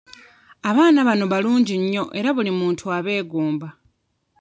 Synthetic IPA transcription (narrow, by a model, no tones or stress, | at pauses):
aβaːnaβanoβaluːɲɟiɲːo̞ʔe̞ɾaβulimuːntʰuaβe̞ːɡoːmba